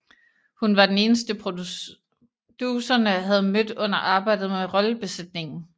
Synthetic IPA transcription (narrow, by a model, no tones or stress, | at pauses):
hunʋɑ̈d̥ene̝ːnəsd̥əpʰʁo | d̥usɐnəɦæð̞̩ˠmød̥ɔ̽n̰ɐʔɑ̈ːb̥ɑ̈ɪ̰d̥ð̩ˠmeʁɒ̽ləb̥e̝sed̥ne̝ŋn̩